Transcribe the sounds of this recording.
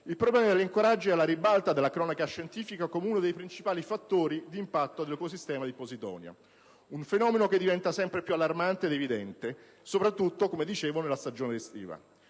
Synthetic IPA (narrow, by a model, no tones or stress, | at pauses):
ilpɾoblɛːmad̪elːiŋkoɾad͡ʒːiɛlaɾibalt̪ad̪elːakɾɔːnakaʃːent̪iːfikakomeunod̪ejpɾint͡ʃipaːlifat̪ːoːɾid̪iːmpat̪ːod̪elekosist̪ɛːmad̪ipozit̪ɔ̰ːnja̰ | unfenɔːmenok̟ed̪ːivɛnt̪asɛmpɾepjualːarmant̪eːd̪evid̪ɛnt̪e | sopɾat̪ːut̪ːokomed̪it͡ʃeːvonelast̪ad͡ʒoːned̪est̪ḭːva̰